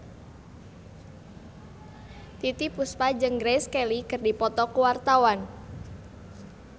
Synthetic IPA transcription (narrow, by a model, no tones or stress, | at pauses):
t̪it̪ipuspad͡ʒəŋɡɾejskɛlikɨrdipɔt̪ɔkuwart̪awan